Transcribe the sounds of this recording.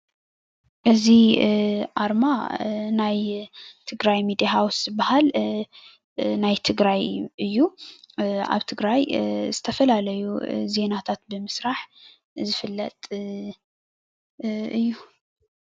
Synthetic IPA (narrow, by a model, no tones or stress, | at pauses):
ʔɨzi | ʔaɾmanajt̪ʰɨɡɾajmid̪ijaɦawszɨbahal | najt̪ʰɨɡɾajʔɨjːu | a̰βt̪ʰɨɡɾajzɨt̪ʰɐfɐlalɐjṵze̞nat̪ʰat̪̚bɨmɨsɾaħ | zɨfɨlːɐt̪ʼ | ʔɨjːu